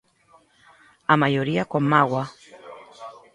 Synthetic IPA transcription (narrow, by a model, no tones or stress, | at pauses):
amajoɾiakwamawa